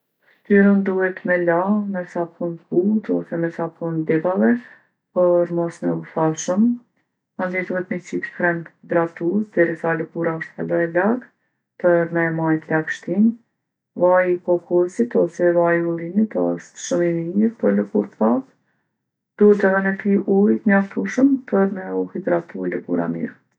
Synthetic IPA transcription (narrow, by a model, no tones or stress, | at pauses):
kt̪yɾənd̪uhɛt̪mɛlamɛsapʰunput̪ɔsɛmɛsapʰɔnd̪ɛbavɛ | pəɾmɔsmɛufaʃəm | and̪id̪uhɛt̪mit͡sip̪kɾɛnd̪ɾat̪usd̪ɛɾisaləkuɾaɔʃt̪alɔɛlaɡ | pəɾmɛmajt̪əlakʃt̪in | vajkɔkʰuɾsit̪ɔsɛvajulˠinit̪ɔst̪ʃəminɲiɾpəɾləkuɾt̪pat | d̪̥uɛt̪əðənɛfiʔujt̪əɲaft̪uʃəmpʰəɾmɛuhid̪ɾat̪uləkṵɾa̰mḭɾ